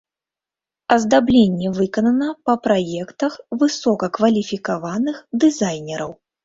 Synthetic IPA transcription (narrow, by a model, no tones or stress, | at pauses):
ɐzd̪ablʲenʲːɛvɨkɐnɐnɐpɐpɾajɛkt̪ɐxvɨsɔkɐkvɐlʲifʲikavanɨxd̪ɨzajnʲɛɾɐw